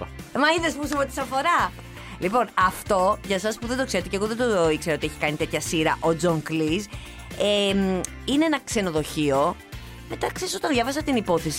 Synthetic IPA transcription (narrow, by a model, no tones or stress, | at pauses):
mɐiðespus̬umet̪i̥sɐfo̞ɾɐ | lipo̞nɐft̪o̞ʝɐsɐspuðed̪okse̞ɾet̪eceɣoðe̞d̪oikseɾɐo̞t̪ieçi̥kɐnit̪e̞t̪çɐsiɾɐʔo̞d͡zoŋkliz | em | ineenɐkse̞no̞ðo̞çio̞ | met̪ɐksesot̪ɐnðʝɐvɐs̬ɐt̪inipo̞θesi